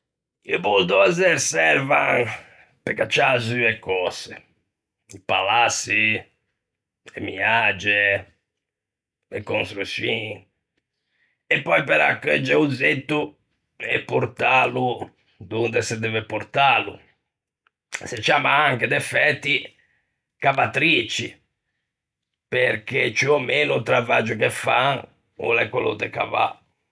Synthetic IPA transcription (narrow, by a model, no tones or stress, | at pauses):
iopud̪ɔɛzɛɾsɛɾvan | pɛkːat͡ʃːazyɛkːɔsɛ | ipa̰lasːi | ɛ̰miad͡ʒɛ | ɛkːonst̪ɾusi | ɛpːɔjpɛɾa̰kːɛd͡ʒɛud̪zet̪ːu | ɛpːoɾt̪alu | d̪und̪ɛsɛd̪ɛvɛpoɾt̪alṵ | set͡ʃːiamaaŋkɛd̪ɛfɛt̪ːi | kavat̪ɾit͡ʃi | peɾket͡ʃiɔmeːnut̪ɾavad͡ʒukɛfaŋ | ṵlɛkːolo̰t̪ɛka̰va̰